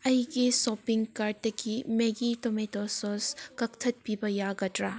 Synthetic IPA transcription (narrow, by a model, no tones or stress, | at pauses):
ɐjɡisɔpiŋkaɾtːɐkimeɡitometɔsɔskɐk̚t̪ʰɐt̚pibɐjaɡɐtɾa